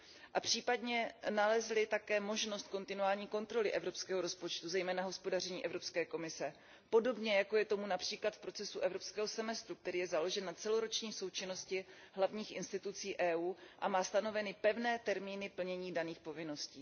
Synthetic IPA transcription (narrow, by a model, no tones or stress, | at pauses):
ʔapr̝̥iːpadɲɛnalɛzlɪt̪akɛːmo̞ʒnost̪̚ko̞nt̪ɪnuaːlɲiːko̞nt̪ɾo̞lɪʔɛvɾo̞pskɛːɦoɾo̞spo̞t͡ʃt̪uzɛjmɛːnaɦo̞spo̞dar̝ɛɲiːʔɛvɾo̞pskɛːko̞mɪsɛ | po̞do̞bɲɛjako̞jɛt̪o̞munapr̝̥iːklat̪fpɾot͡sɛsuʔɛvɾo̞pskɛːɦo̞sɛmɛst̪ɾuk̚t̪ɛɾiːjɛzalo̞ʒɛnːat͡sɛlo̞ɾo̞t͡ʃɲiːso̞wt͡ʃɪno̞scɪɦlavɲiːxʔɪnst̪ɪt̪ut͡siːʔɛːʔuːʔamaːst̪ano̞vɛnɪpɛvnɛːt̪ɛɾmiːnɪpl̩ɲɛɲiːdaniːxpo̞vɪno̞sciː